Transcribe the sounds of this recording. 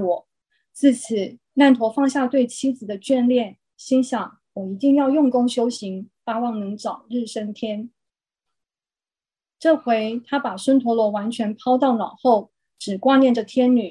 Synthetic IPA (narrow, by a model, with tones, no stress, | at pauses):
wɔ˨˩˦ | t͡sɹ̩˥˩t͡s̩ʰ˨˩ | na˥˩nt̪ʰwɔ˧˥fɑ˥˧ŋɕja˥˧t̪we˥˩ɪt͡ɕʰi˥d͡zɹ̩˨˩d̪ə˦t͡ɕɥɛ˥˧nljɛ˥˩n | ɕi˥ŋɕɑ˨˩ŋ | wɔ˨˩i˧˥t̪i˥˧ŋjɑ˥˧ʊjʊ˥˩ŋkʊ˥ŋɕjo˥ʊɕi˧˥ŋpa˥wɑ˥˩ŋnɤ˧˥ŋʈ͡ʂɑ˨˩ʊɻɻ̩˥˩ʂə˥ŋt̪ʰjɛ˥n | ʈ͡ʂɤ˥˩xwe˧˥ɪt̪ʰa˥pa˨˩swə˥nt̪ʰwɔ˧˥lwɔ˧˥wa˧˥nt͡ɕʰɥɛ˧˥npʰɑ˥ʊt̪ɑ˥˩ʊnɑ˨˩ʊxo˥˩ʊ | ʈ͡ʂɻ̩˨˩kwa˥njɛ˥˩nʈ͡ʂə˨˩t̪ʰjɛ˥nny˨˩˦